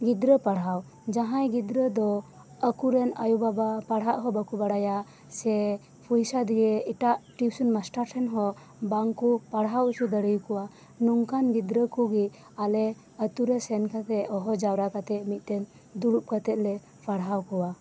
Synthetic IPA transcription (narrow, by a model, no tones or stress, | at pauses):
ɡid̪ɾəpaɽɦaw | d͡ʒaɦãjɡid̪ɾəd̪ɔ | əkuɾɛnajubabapaɽ̤aʔɦɔbakubaɽaja | sɛ | pʰujsad̪iɡɛiʈaʔʈiwsunmasʈaɾsʰɛnɦɔ | baŋkupaɽɦawusud̪əɽəjukɔwa | nuŋkanɡid̪ɾəkuɡi | alɛ | ət̪uɾɛsɛnkat̪ɛɔɦɔd͡ʒawɾakat̪ɛmit̪̚ˀt̪ɛn | d̪uɽup̚kat̪ɛt̪̚lɛ | paɽɦawkɔwa